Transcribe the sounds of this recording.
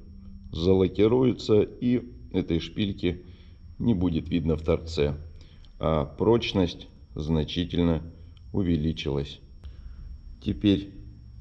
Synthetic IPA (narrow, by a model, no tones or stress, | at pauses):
zəlˠəkʲɪɾujɪt̪səiɛt̪əjʂpʲilʲkʲɪ | nʲɪbudʲɪt̪vʲid̪nəft̪ɐrt̪sɛ | apɾo̞t͡ɕnəsʲtʲ | znɐt͡ɕitʲɪlʲnə | ʊvʲɪlʲit͡ɕɪlˠəsʲ | tʲɪpʲeɾʲ